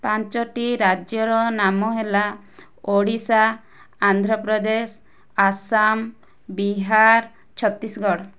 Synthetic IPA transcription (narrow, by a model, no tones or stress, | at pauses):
paɲt͡ʃɔʈiɾad͡ʒjɔɾɔnamɔɦela | oɽisaː | nd̪ʱɾɔpɾɔd̪es | asam | biɦaɾ | t͡ʃʰɔt̪ːisɡɔɽɔ